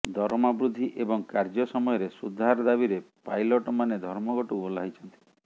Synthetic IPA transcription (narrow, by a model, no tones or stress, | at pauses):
d̪ʱɔɾmabɾud̪ʱːiʔebɔŋkaɾd͡ʒɔsɔmɔjɔɾesud̪ʱaɾɔd̪abiɾepajlɔʈɔmaned̪ʱɔɾmɔɡɔʈubolajt͡ʃʰɔnt̪i̥